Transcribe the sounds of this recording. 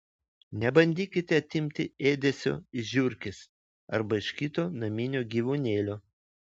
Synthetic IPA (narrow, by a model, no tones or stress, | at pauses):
nʲɛbɐnʲd̪ʲiːkʲɪt̪ʲɛɐt̪ʲɪmʲt̪ʲɪeːd̪ʲɛsʲo̰ːɪʒʲʊɾʲkʲɪs | ɐɾbɐɪʃkʲɪt̪oːnɐmʲɪnʲoːɡʲiːʋunʲeːlʲoː